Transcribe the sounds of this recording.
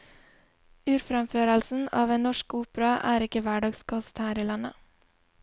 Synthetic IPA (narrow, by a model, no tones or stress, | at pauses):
ʉːɾfɾɛmføːɾəlsn̩ɑ̰ːʋeːnɔʃkuːpɾɑʔæ̰ːɾɪkəʋæɖɑːɡskʰɔst̪hæːɾiːlɑnə